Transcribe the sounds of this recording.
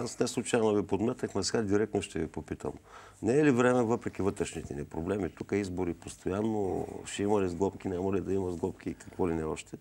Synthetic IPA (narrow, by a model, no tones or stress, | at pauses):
asnɛslˠut͡ʃaɛnɐvipod̪mɛt̪əkmɐsɛɡad̪iɾɛk̚t̪noʃt̪ɛvipopit̪ə̰m | nɛːlivɾɛmɛvɤpɾɛk̟ivɤt̪ɾɛʃnit̪ɛnɛpɾoblɛmit̪ukəizboɾipost̪ojanːoʃɛimɐlizɡlˠɔpkʲinʲamɐlid̪ɐimɐzɡlˠɔp̚kʲikɐkvɔlinɛɔʃt̪ɛ